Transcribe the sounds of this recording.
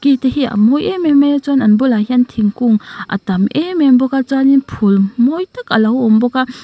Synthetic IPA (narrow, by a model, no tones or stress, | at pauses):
kiteɦia̰mɔjʔememet͡sɔnanbulaɦiantʰiŋkuŋʔɐ̰tɐmʔemɛnbɔkat͡saninpʰulmɔjtakɐlawɔmbɔka